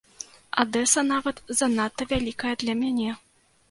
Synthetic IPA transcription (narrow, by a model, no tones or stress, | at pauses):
a̰d̪ɛsɐnavɐt̪zɐnat̪ːɐvʲalʲikɐjɐd̪lʲɐmʲanʲɛ